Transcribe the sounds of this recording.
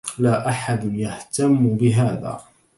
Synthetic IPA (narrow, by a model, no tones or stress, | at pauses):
laːʔaħad̪njaht̪amːbɪɦaːða̰ː